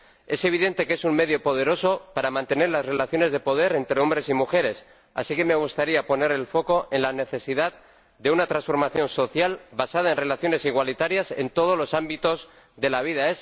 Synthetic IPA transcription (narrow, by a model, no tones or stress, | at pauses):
e̞seβ̞iðe̞nt̪e̞ke̞sunme̞ðjopo̞ð̞e̞ɾo̞so̞paɾamãnt̪e̞neɾlazre̞laθjo̞ne̞zð̞epo̞ð̞e̞ɾe̞nt̪ɾeo̞mbɾe̞simuxe̞ɾe̞s | a̰sike̞me̞ɣ̞ust̪aɾiapo̞ne̞ɾe̞lfo̞ko̞ʔe̞nlane̞θe̞siðað | d̪e̞unat̪ɾansfo̞ɾmaθjõ̞nso̞θjalβasaðae̞nre̞laθjo̞ne̞siɣwalit̪aɾjase̞̰nt̪o̞ð̞olo̞sambit̪o̞z | ðe̞laβ̞ið̞aes